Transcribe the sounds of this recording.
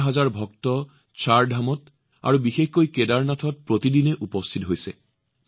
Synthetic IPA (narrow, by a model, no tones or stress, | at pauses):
ɦazaɹbʱɔk̚tɔ | t͡ʃaɹdʱamɔt | a̰ɹubixexkojkedaɹnatʰɔt̚pɹotidinɛʔupɔstʰitɦojsɛ̰